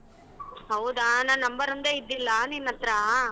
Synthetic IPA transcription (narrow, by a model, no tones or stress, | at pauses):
ɦɐwd̪aːnaːnɐmbɐɾund̪ɐid̪ːilːɐːninːɐt̪ɾa